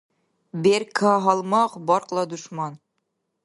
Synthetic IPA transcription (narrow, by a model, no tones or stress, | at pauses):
beɾkʰɑɦɑlˠmɑqbɒɾqlˠɑd̪uʃmɑn